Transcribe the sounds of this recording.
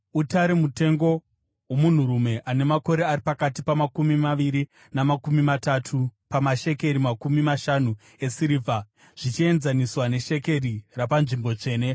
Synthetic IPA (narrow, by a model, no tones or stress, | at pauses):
utaɾemute̞ŋɡo̞ | womun̤uɾume̞ʔane̞mako̞ɾe̞aripakatipamakumimaʋiɾi | namakumimatatʰupamaʃe̞ke̞ɾimakumimaʃanu | e̞siɾiːvʱa | ʐ̥it͡ʃie̞nzaniswane̞ʃe̞ke̞rirapanʐimbo̞t͡ʂe̞ːne̞